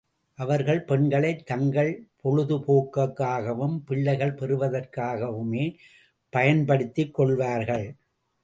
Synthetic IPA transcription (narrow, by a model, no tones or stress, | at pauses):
ʔɐʋɐɾɣɐɭpɛɳɡɐɭɐɪt̪ːɐŋɡɐɭpʰɔɻɯðɯpoːkːɐkːaːɣɐʋɯmpɪɭːɐɪɣɐɭpɛɾɯʋɐðɐrkaːɣɐʋɯmeː | pɐjɐnpɐɽɯt̪ːɪkːɔɭʋaːɾɣɐɭ